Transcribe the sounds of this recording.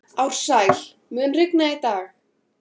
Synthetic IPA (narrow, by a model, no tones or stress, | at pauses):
awr̥saːjl | mʏːnrɪknait̪aːx